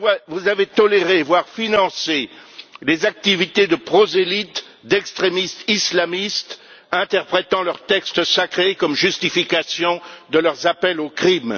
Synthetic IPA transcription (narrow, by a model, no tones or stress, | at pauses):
avuzavet̪ɔleʁevwaʁfinɑ̃selezak̚t̪ivit̪ed̪əpχozelit̪ | d̪ɛkst̪χemist̪islamist̪ | ɛ̃t̪ɛʁpχet̪ɑ̃lœʁt̪ɛkst̪sakχekɔmʒyst̪ifikasjɔ̃d̪əlœʁzapɛlokχim